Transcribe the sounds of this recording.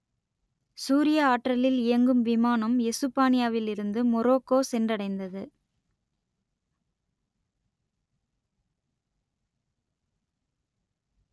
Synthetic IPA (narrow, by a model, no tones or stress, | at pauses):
suːɾɪjɐaːʈrɐlɪlɪjɐŋɡɯmʋɪmaːnɐmɛsɯpːaːnɪjaːʋɪlɪɾɯnd̪ɯmɔɾoːkːoːsɛndrɐɽɐɪnd̪ɐðɯ